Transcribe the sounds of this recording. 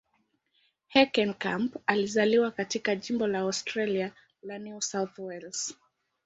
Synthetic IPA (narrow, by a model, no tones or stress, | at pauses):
hɛkɛnkampalizaliwakatikaʄimbɔlaɔstɾalia | lanjusawθwɛls